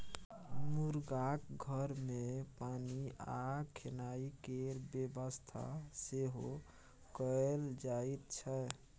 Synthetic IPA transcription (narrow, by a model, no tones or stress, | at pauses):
muɾɡakɡʱəɾmepaniakʰenaikeɾbjebəst̪ʰa̰seɦo | kəld͡ʒait̪̚t͡ʃʰə